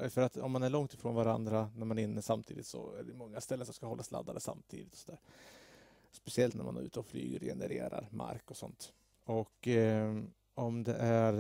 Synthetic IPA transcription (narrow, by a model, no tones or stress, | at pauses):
fœɾat̪ɔmːanæɭɔŋt̪ɪfɾoːnvaɾand̪ɾanæɾmanɪnːəsamt̪ʰḭːd̪ɪt̪sɔ̰æɖɛmɔŋːast̪ɛlːənsɔmskahɔlːasla̰d̪ːad̪əsa̰mt̪ʰḭːd̪ɪt̪ɔ̥sɔd̪æːɾ | spɛsɪɛlt̪næ̰man̰ʉ̟ːt̪əɔfly̰ːɡəɾjɛ̰nəɾeːɾa̰ɾma̰ɾkɔsɔnt̪ | ɔkː | ɔmd̪ɛʔæɾ